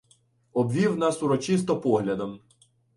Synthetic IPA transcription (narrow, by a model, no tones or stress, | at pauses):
ɔbʋʲiwnɑsuɾɔt͡ʃis̬t̪ɔpɔɦlʲɐd̪ɐm